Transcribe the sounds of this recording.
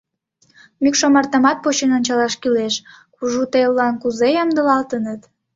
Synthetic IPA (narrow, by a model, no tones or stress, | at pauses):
mykʃomɑrt̪ɑmɑt̪̚pot͡ɕenonʲt͡ɕɑlɑʃkyleʃ | kuʒut̪elːɑnkuzejɑmd̪əlɑlt̪ənət̪